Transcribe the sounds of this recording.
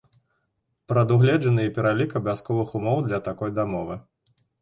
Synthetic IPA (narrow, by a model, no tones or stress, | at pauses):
pɾɐd̪uɣlʲɛd͡ʐɐnɨipʲɛɾalʲikɐbʲaskɔvɨxumɔwd̪lʲɐt̪akɔjd̪amɔvɨ